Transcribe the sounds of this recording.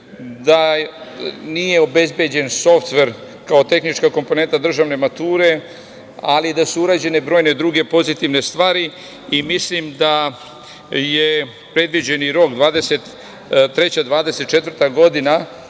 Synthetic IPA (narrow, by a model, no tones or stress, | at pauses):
d̪a | nije̞o̞be̞zbje̞d͡ʑe̞nso̞ft̪ʋe̞ɾ | kao̞t̪e̞xnit͡ʃkako̞mpo̞ne̞nt̪ad̪r̩ʒaːʋne̞mat̪uːɾe̞ | alid̪asuuɾaːd͡ʑe̞ne̞bɾojne̞d̪ɾuɡe̞po̞zit̪iʋne̞st̪ʋaːɾi | imislimd̪a | je | pɾe̞d̪ʋid͡ʑe̞niɾo̞kd̪ʋaːd̪eset̪ | t̪ɾe̞t͡ɕad̪ʋaːd̪ese̞t̪t͡ʃe̞t̪vər̩t̪aɡo̞d̪ina